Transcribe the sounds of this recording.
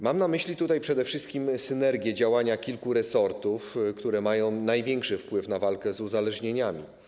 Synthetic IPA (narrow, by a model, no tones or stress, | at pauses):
mamnamɘɕlʲit̪ut̪ajpʂɛd̪ɛfʂɘst̪kʲimsɘnɛɾɡʲjɛd͡ʑawaɲakʲilkuɾɛsɔɾt̪ufkt̪uɾɛmajɔ̃w̃najvʲjɛŋkʂɘfpwɘfnavalkɛzuzalɛʐɲeɲamʲḭ